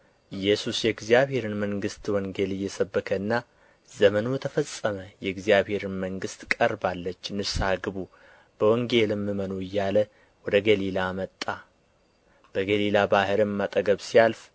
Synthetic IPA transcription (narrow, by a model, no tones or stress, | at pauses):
ʔɨjːɛsusjɛɡzijaβhe̞ɾɨnməŋɡɨst̪wɔŋɡe̞lɨjːɛsəbːəkʰənːa | zəmənujɛt̪ʰəfəsʼːəməjɛɡzijaβhe̞ɾɨnməŋɡɨst̪kʼəɾbalːət͡ʃːnɨsaɡɨbu | b̥əwɔŋɡe̞lɨmːɨmənoɨjːalə | wɔd̪əɡəlilamət̪ʼːa | b̥əɡəlilabahɨɾɨmːat̪ʼəɡəβsijalf